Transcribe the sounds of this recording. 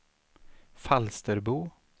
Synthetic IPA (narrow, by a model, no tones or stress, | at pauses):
falst̪əɾbuː